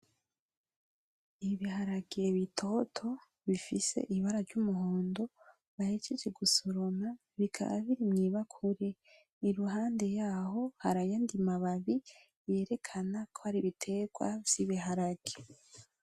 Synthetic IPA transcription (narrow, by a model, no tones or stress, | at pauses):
iβihaɾaɡeβitʰo̞ːtʰo̞ | βifise̞̰ʔiβaɾavɟumuhoːndo̞ | βahe̞d͡ʒed͡ʒe̞ɡusoɾona | βikʰa̰βa̰βiɾimɲiːβakʰuɾe̞ | iɾuɦaːnde̞jaːɦo̞haɾajandimaβaβi | je̞ːɾe̞kʰanakʰohaɾiβitʰe̞ːɡwa̰v̥j̥iβihaɾaɡ̥e